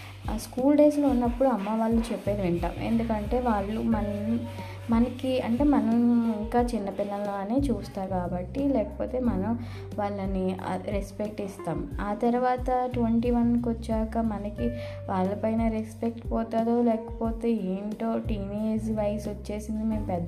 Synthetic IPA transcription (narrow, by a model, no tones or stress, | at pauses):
skuːlɖe̞ːslɐunːɐpːuɽuɐmːaːʋaːɭːut͡ʃepːeːd̪iʋɛɳʈa̰ːmḛnd̪ukɐɳʈe̞ːʋaːɭːumɐnɐ | mɐnɐkiɐɳʈe̞ːmɐnɐmiŋkaːt͡ʃinːɐpilːɐloɐneːt͡ʃuːst̪aːkaːbɐʈːilɛːkɐ̥poːt̪e̞ːmɐnɐm | ʋaːɭːɐniɐ̰ɾespek̚ʈist̪aːmaːt̪ɐɾuʋaːt̪ɐʈʋeɳʈiːʋɐnkʋɐt͡ʃːaːkɐmɐnɐki | ʋaːɭːɐpɐjnɐɾespe̞k̚ʈpɔːt̪aːd̪oːlɛːkɐ̥poːt̪e̞ːeːɳʈoːʈiːneːd͡ʒʋɐjsʋɐt͡ʃːe̞ːsind̪ime̞ːmpɛd̪ː